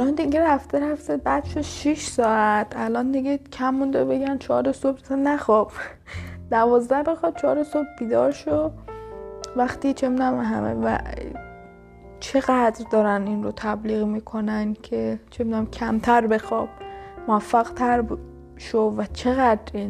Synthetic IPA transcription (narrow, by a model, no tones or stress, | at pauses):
lɒnd̪iɡeɾæft̪ʰeɾæft̪ebæd̪ʃod̪ʃiʃsɒːæt̪ʰælɒnd̪iɡe̥cʰæmːund̪ebe̞ɡænt͡ʃʰɒːɾesobsænæxɒb̥ | d̪ævɒːzd̪æhbexɒd̪̥̚t͡ʃʰɒːɾesob̚biːd̪ɒːɾʃo | væxt̪iːt͡ʃʰebid̪æmɦæ̰mḛvæ̰ | t͡ʃʰe̞ɣæd̪ɾd̪ɒːɾæninɾot̪ʰæbliːɣmiːkʰonænkʰet͡ʃʰebid̪æmcʲʰæmt̪ʰæɾbexɒːb̥moæfːæɣt̪ʰæɾb | ʃovæt͡ʃʰe̞ɣæd̪ɾin